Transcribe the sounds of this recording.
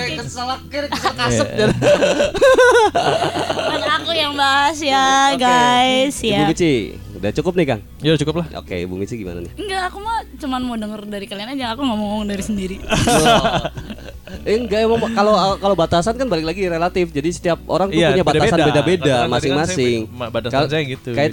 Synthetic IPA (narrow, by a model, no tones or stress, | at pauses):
əsəlakəkəsəkasəp̚a | anakujaŋbaɦasjaɡaisjabumit͡ʃi | dat͡ʃukʊp̚nɪhka̰ŋ | jat͡ʃukʊplaʔo̰kḛbṵmit͡ʃiɡima̰na̰nɪəŋɡaʔːkumat͡ʃumanmodəŋərdaɾikalianad͡ʒaŋakuŋamɔmɔŋdaɾisəndiɾi | ŋɡaʔemamkalokalobat̪asankanbalɪk̬̚laɡiɾelat̪ɪfd͡ʒadisə̥t̪iap̚o̰ɾaŋtupuɲabat̪asanbedabedamasɪŋmasɪŋbat̪askansajaɡit̪ukaja